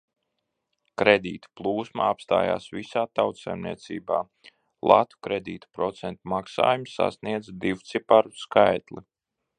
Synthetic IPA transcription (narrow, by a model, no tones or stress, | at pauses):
kɾed̪iːt̪u̥plˠuːsma̰apst̪a̰ːja̰ːsvisaːt̪awt̪sajmniɛt̪sḭːba̰ː | lˠa̰t̪u̥kɾed̪iːt̪u̥pɾɔt̪sɛnt̪umaksa̰ːjumsa̰sniɛd̪zd̪iwt̪sipaɾuskajt̪lˠi